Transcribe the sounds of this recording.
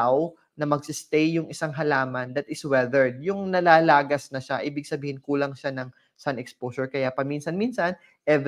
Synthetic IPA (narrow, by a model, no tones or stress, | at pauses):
w | nɐmɐɡ̚sɪst̪ɛjːʊŋʔɪsaŋɦɐlaːmɐnd̪ɐt̪ɪswɛðɛɹd̪̚jʊŋnɐlaːlaːɡɐsnɐʃaʔiːbɪɡ̚sɐbiːhɪnkuːlɐŋʃanɐŋ | sanɛkspoːsɔɹkɐjapɐminsɐnminsɐn | ʔɛv